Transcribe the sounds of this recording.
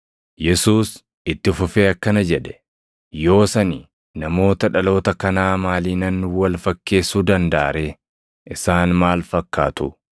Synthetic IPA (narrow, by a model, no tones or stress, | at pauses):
jɛsuːs | ɪt̪ːɪfʊfeːɐkːɐnɐd͡ʒɛᶑɛ̥ | jo̞ːsɐni | nɐmo̞ːt̪ɐᶑɐlo̞ːt̪ɐkɐnaːmaːliːnɐnːʊwɐlfɐkːe̞ːsuːd̪ɐnd̪a̰ːɾeː | ʔɪsaːnmaːlfɐkːaːt̪ʊ